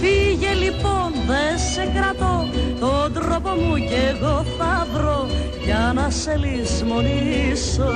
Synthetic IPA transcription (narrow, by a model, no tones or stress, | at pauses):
fiʝe̞lipo̞nðesekɾɐt̪o̞t̪od̪ɾo̞po̞muceɣo̞θɐvɾo̞ | ʝɐnɐse̞lizmo̞niso